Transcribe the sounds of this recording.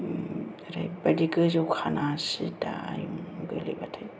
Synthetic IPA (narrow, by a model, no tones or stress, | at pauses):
ɾajbadiɡɯzɯwkʰanasida̰ːjuŋɡɯlḭbatʰaj